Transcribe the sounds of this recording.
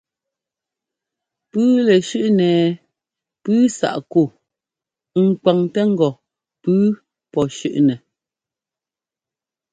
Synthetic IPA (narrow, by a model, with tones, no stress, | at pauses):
pʉː˦lɛ˨ʃʉ˦ʔnɛː˨ | pʉː˦sa̰˨ʔku˦˨˦ | ŋ̩˨kwa˨ŋtɛ˦ŋ̩˦ɡɔ˨ | pʉː˦ | pɔ˨ʃʉ˦ʔnɛ˨